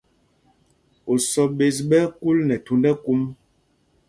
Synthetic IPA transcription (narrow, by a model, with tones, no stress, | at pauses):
o˨sɔ˨ɓe˨s̬ɓɛ˦ku˦lnɛ˨tu˨ndɛ˦ku˦m